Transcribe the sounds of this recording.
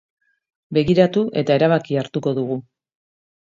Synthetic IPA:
be̞ɣiɾat̪uʔe̞t̪ae̞ɾaβakiaɾt̪uko̞ðuɣ̞u

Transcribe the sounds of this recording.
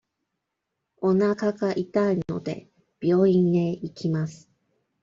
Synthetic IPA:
o̞nakaɡaʔit̪aino̞̰d̪e̞̰ | b̥ʲjo̞ːĩnd̪e̞ikʲimasɨ̥

